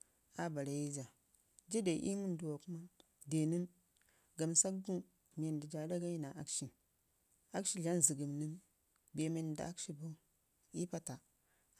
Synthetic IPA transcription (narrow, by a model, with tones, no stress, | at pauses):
a˨ba˨ɾa˨ji˦d͡ʒa˨ | d͡ʒi˦da˨ʔḭ˦mu˦ndu˨wa˨ku˦ma˦ | de˨ni˦m | ɡa˨msa˦kɡu˦ | me˨n˨di˨d͡ʒa˨da˦ɡa˦ji˦na˨ʔa˦kʃi˨ | a˦kʃi˦ɮa˦nzi˨ɡə˨mni˦m | be˨me˨n˨da̰˨a˦kʃi˦bo˦ | i˦pa˦ta˨